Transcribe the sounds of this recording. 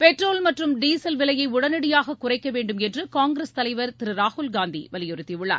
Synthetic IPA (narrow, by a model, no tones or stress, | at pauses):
pɛʈroːlmɐʈrɯmɖiːsɐlʋɪlɐjɐɪʊɽɐnɐɽɪjaːɣɐkʊrɐɪkːɐʋeːɳɖɯmɛndrɯkaːŋɡɾest̪ɐlɐɪʋɐɾt̪ɪɾɯɾaːhʊlɡaːnd̪ḭʋɐlɪjɔɾɯt̪ːiʋɯɭːa̰ːɾ